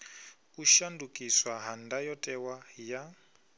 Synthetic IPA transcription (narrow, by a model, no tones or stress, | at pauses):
uʃandukʼiswaɦandajɔtʼɛwaja